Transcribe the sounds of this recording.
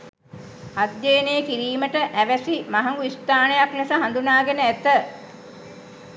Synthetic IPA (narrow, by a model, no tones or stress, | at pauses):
ad̪jeːnejəkiɾiːməʈəʔæʋæsimaɦɐŋɡuist̪aːnejaknesaɦand̪unaːɡenəæt̪ə